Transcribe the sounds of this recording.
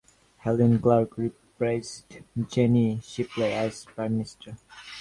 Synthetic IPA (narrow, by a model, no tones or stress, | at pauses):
hɛlə̃nɡlaɡɹipɹeɪstd͡ʒɛniʃipleæzpɹãɪ̃mːɪnɪstʰə˞